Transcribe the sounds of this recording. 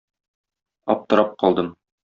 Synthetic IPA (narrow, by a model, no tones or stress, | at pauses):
ɒ̰p̚t̪ɤ̆ɾɑp̚qɒlˠd̪ɤm